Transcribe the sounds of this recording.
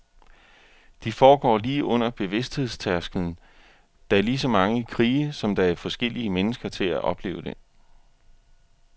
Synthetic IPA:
d̥ifɒːɡ̥ɒ̰ːliːʔɔ̽n̰ɐb̥e̝ʋe̝sd̥he̝ðˠst͡sʰæɐsɡ̥ln̩ | d̥ɑ̈æɐlis̬ɒ̽mɑ̈ŋəkʰʁiːsɒ̽md̥ɑ̈æɐfɒ̽sɡ̥el̰iəmenəsɡ̥ɐt͡sʰe̝læʔɒ̽b̥le̝̰ːʊd̥e̝

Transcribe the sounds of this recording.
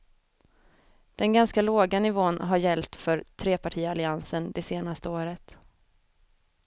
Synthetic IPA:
d̪̥ɛnɡanskaloːɡanɪvoːnɦaɾjɛlt̪fœɾt̪ʰɾeːpaʈʰiːalɪansənd̪ɛseːnast̪əoːɾət̪

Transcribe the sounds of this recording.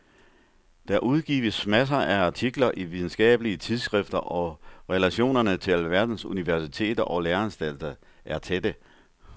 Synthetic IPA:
d̥æʔuð̞ˠɡ̥ḭːʋəsmæs̬ɐʔæɑ̈t͡sʰiɡ̥lɐʔiʋið̞ˠn̩sɡ̥ɛ̰ːb̥əliət͡sʰið̞ˠsɡ̥ʁɛfd̥ɐʔɒ̽ʁɛlæɕo̝̰ːnɐnət͡sʰe̝lʋæɐd̥n̩suniʋæɐsit͡sʰe̝̰ːd̥ɐʔɒ̽leːɐænsd̥æl̰d̥ɐ | ʔæɐt͡sʰed̥ə

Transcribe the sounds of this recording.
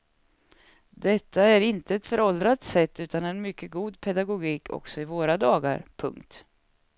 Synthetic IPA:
d̪ɛt̪ʰːaæɾɪnt̪əɛt̪fœɾɔld̪ɾat̪sɛt̪ːʉ̟ːt̪anɛnmʏkːəɡuːd̪pʰɛd̪aɡʊɡiːkʰɔ̰ksɔɪvoːɾad̪ɑːɡa̰ɾpʰɵ̰ŋkt̪

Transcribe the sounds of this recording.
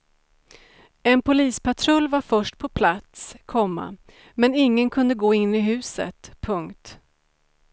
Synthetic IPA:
ɛnpʰʊliːspʰat̪ʰɾɵlːvaɾfœʂʈpʰɔpʰlat̪skʰɔmːa̰ | mɛnɪŋːənkʰɵnd̪əɡoːɪnːɪɦʉ̟ːsə̰t̪pʰɵŋkt̪

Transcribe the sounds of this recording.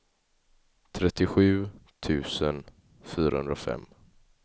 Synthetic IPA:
t̪ʰɾɛt̪ːɪɧʉ̟ːt̪ʰʉ̟ːsən | fyːɾaɵ̰nd̪ɾafɛ̰mː

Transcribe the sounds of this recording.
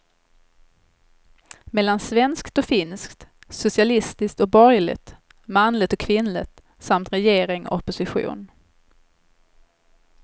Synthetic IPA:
mɛlːansvɛnskt̪ɔfɪnskt̪sʊsɪalɪst̪ɪskt̪ɔk̚bɔɾjlɪ̰t̪ | manlɪt̪ɔkʰːvɪnlɪt̪ | samt̪ɾɛjeːɾɪŋɔ̰ɔpːʊsɪɧṵːn

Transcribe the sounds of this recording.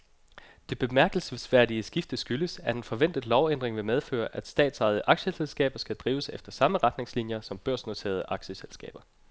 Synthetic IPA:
d̥e̝b̥e̝mæɐɡ̥əl̩ssʋæɐd̥iəsɡ̥ifd̥əsɡ̥yləsæɐe̝nfɒ̽ʋen̰d̥ð̩ˠlɒʊen̰d̥ʁeŋʋe̝meðˠfø̰ːɐʔæd̥sd̥ɛ̰ːd̥sɑ̈ɪð̞̩ˠəʔɑ̈ɡ̥ɕəselsɡ̥ɛ̰ːb̥ɐsɡ̥æd̥ʁiːʊəsefd̥ɐsɑ̈məʁɑ̈d̥ne̝ŋslinjɐsɒ̽mb̥ɶɐ̰sno̝t͡sʰe̝̰ɐðˠəʔɑ̈ɡ̥ɕəselsɡ̥ɛ̰ːb̥ɐ

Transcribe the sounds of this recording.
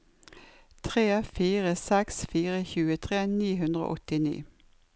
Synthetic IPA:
t̪ʰʁeːfiːʁəsɛksfiːʁəçʉːət̪ʰʁeːniːɦʉnd̪ʁo̰ːʔɔt̪ɪnḭː

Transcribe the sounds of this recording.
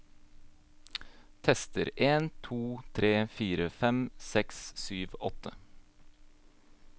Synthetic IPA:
t̪ʰɛst̪əɾʔeːnt̪ʰuːt̪ʰɾeːfiːɾəfɛmsɛkssyːʋɔ̰t̪ə

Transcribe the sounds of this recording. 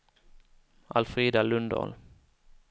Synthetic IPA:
ʔa̰lfɾeːd̪alɵnd̪ɑ̰l

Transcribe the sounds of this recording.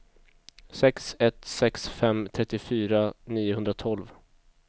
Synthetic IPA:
sɛksɛt̪sɛksfɛmt̪ʰɾɛt̪ːɪfyːɾaniːʊhɵnd̪ɾat̪ʰɔlv

